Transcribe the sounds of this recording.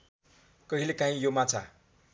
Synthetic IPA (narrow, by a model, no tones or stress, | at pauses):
kʌɦilekaɦĩjomat͡sʰa̰